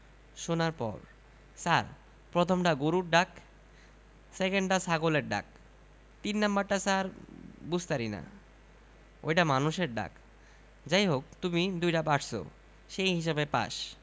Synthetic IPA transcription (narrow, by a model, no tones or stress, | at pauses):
ʃonaɾpɔ̰ɾ | saɾ | pɾot̪ʰomʈaɡoɾuɾɖak | sekeɳɖʈasaɡoleɾɖa̰k̚ | t̪inːambaɾʈasaɾbud͡ʑʱt̪aɾina̰ | o̰jʈamanuʃeɾɖa̰k | d͡ʑajɦok̚t̪umid̪ujʈapaʈʰsʰo̰ | ʃejɦiʃ̬abepa̰ʃ